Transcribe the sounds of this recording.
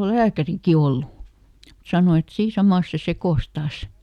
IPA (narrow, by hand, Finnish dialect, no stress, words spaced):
ol læːkæriki olːu sɑno et siː sɑmɑˑs se sekoˑs tɑːs